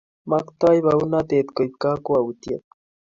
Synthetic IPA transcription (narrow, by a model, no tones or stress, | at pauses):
makt̪ajβaunat̪et̪kojpkakuawʊt̪ja̰t̪̚